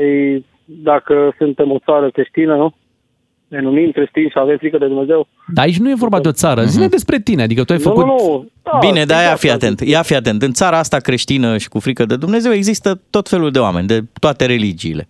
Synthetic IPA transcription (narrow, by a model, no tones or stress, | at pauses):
ej | d̪akəsunt̪e̞mo̞t̪saɾəkɾeʃt̪inənu | nenumimkɾeʃt̪inʃiave̞mfɾikəd̪ed̪umnezew | d̪aːit͡ʃʲnuje̞vo̞rbad̪eo̞t̪saɾəzined̪e̞spɾe̞t̪inead̪ikət̪uajfəkunud̪̥abine̞d̪ajafiat̪ent̪jafiat̪e̞nt̪ɨnt̪saɾaast̪akɾeʃt̪inəʃi̥kufɾikəd̪e̞d̪umne̞ze̞we̞ɡzist̪ət̪o̞t̪fe̞luld̪eoa̰me̞nʲd̪e̞t̪oat̪e̞ɾe̞lid͡ʒiːle̞̰